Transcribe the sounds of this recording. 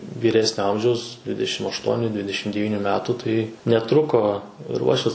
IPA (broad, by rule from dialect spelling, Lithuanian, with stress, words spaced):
ʋʲiːˈrʲæːsʲnʲoː ˈɐmʲʒʲɛʊs ˈdʲʋʲɪdʲɛˈʃʲɪm ɐʃˈtuɔnʲʊ ˈdʲʋʲɪdʲɛˈʃʲɪm dʲɛˈʋʲiːnʲʊ ˈmʲæːtuː ˈtɐɪ nʲɛˈtrʊkoː ɪr ˈuɔʃʲʋʲɪs